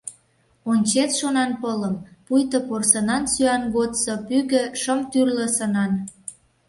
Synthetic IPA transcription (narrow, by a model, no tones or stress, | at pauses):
onʲt͡ɕet̪ʃonɑnpələmpujt̪əporsənɑnsyɑnɡot̪sopyɣə̆ʃəmt̪yrlə̆sənɑn